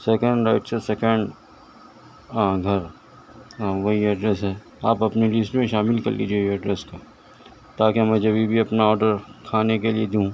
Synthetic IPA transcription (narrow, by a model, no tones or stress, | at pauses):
sɛkə̃ɳɖeːʈt͡ʃʰəsɛkə̃ɳɖ | ãːɡʱɐɾ | ãʋɐɦiɐɖɾɛsɦɛː | aːpɐpnilɪsʈmẽʃaːmɪlkɐ̰ɾlḭːd͡ʒieeɐɖɾɛːskaː | t̪aːkemɛ̃ːd͡ʒɐbʱibʱiɐpnaɔːɾɖəɾkʰaːnekelied̪eũ